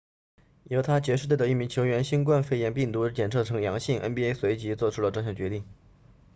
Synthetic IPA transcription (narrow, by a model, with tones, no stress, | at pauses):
jo˧˥ʊt̪ʰa˥t͡ɕjɛ˧˥ʂɻ̩˥˧t̪we˥˩d̪ə˩i˥˩mi˧˥ŋt͡ɕʰjo˧˥ʊɥɛ˧˥nɕi˥nk̬wa˥˧nfe˥˩ɪjɛ˧˥npi˥˩ŋt̪u˧˥t͡ɕjɛ˨˩nt͡sʰɤ˥˩ʈ͡ʂʰɤ˧˥ŋjɑ˧˥ŋɕi˥˩ŋʔə̰˥npi˥e˥ɪswe˧˥ɪt͡ɕi˧˥t͡swɔ˥˩ʈ͡ʂʰu˥lə˧ʈ͡ʂɤ˥˧ŋɕjɑ˥˩ŋt͡ɕɥɛ˧˥t̪i˥˩ŋ